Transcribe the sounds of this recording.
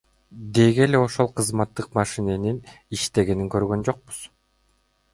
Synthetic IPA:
d̪e̞ɡe̞le̞o̞ʃo̞lˠqʰɯzmɑt̪ːɯqmɑʃineniniʃt̪e̞ɡe̞niŋkø̞ɾɡø̞nd͡ʒo̞q̚bu̥z̥

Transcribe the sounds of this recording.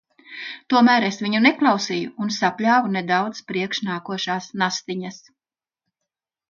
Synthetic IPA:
t̪uɔmæːɾesviɲuneklˠɑwsijuːnsaplʲaːvuned̪awd̪spɾiɛkʃnaːkuɔʃaːsnast̪iɲas

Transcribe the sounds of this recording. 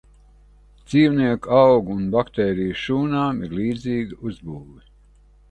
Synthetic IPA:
d̪z̥iːwniɛkuawɡuːnbakt̪eːɾijʃuːnaːmiɾliːd̪ziːɡəuzbuːvi

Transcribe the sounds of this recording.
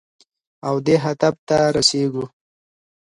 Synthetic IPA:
awd̪eɦad̪ab̚t̪aɾaseɡu

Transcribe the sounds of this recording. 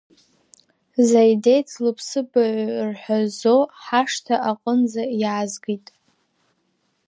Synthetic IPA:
zajdejt͡sʰlɨpʰsɨbaʕʷrħʷᶣazoħaʂtʰaʔaqʼənzajaːzɡitʼ

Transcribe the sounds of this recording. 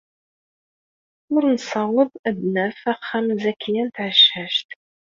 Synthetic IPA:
ʊɾnsɑwəðˤæd̪næfæχːæmzækʰːijænt̪ʕəʃhæʃt̪

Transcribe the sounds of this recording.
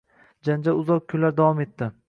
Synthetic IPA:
d͡ʒand͡ʒaɾʊzɒq̚kʰːʊnlaɾd̪avɒme̞t̪ʰːɪ

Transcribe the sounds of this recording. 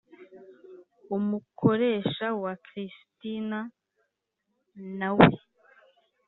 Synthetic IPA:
umukʰo̞ɾe̞ʃawakɾistina | nawḛ

